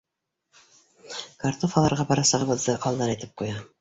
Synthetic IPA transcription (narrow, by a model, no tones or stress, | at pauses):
kaɾt̪ofɑlˠɑɾʁɑbɑɾɑsɑʁɤbɤ̆zd̪ɤʔɑlˠd̪ɑnɑjt̪ɘp̚qujɑ